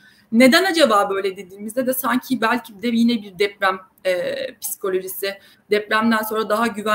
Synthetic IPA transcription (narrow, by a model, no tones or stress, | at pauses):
ne̞d̪ænad͡ʒabaːbø̞jlʲɛd̪e̞d̪iːmizd̪ed̪ɛsaɲcʰibælʲcʰibd̪ɛjinɛbiɾd̪ɛpɾæm | ɛːpi̥si̥kʰo̞lʲo̞ʒisɪ | d̪̥ɛpɾæmd̪ænso̞nɾad̪aɦaɟyvæ